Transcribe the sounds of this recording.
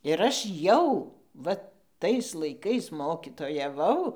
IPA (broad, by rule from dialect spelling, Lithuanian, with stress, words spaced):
ɪr ˈɐʃ ˈjɛʊ ˈʋɐ ˈtɐɪs lˠɐɪˈkɐɪs ˌmoːkʲiːtoːjɛˈʋɐʊ